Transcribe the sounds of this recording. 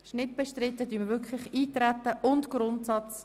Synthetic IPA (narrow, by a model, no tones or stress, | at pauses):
ʃnɪt̚b̥ɛʃtɾɪtːədyːməʋʏɾkʰlɪχiːt̪ɾæt̪ːəʔʊntɡ̥ɾʊntsɑt͡s